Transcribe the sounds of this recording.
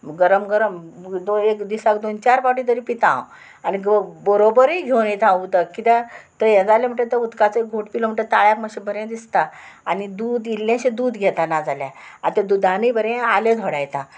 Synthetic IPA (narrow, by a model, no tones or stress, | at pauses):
ɡəɾəmɡəɾəmd̪oekd̪isakd̪ont͡ɕaɾpaʈit̪əɾiːpit̪ã̰ | aniɡbəɾobəɾiɡʱewnet̪ʰãut̪əkit̪at̪əjɛ̃d͡zalem̤əɳʈet̪əud̪kat͡səek̚ɡʱoʈpiləm̤əɳʈet̪aɭjakməɕebʱəɾẽd̪ist̪aːnid̪uːd̪ilːãɕẽd̪uːd̪ɡʱɛt̪anad͡zaljã̰a̰t̪ed̪ud̪ʱãnəibʱəɾẽaled̪ʱoɽajt̪a